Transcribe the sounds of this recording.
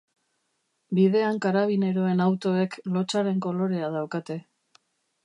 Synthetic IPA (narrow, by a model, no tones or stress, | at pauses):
bið̞e̞aŋkaɾaβ̞ine̞ɾo̞e̞nawt̪o̞e̞klo̞t͡ʃaɾe̞ŋko̞lo̞ɾe̞að̞awkat̪e̞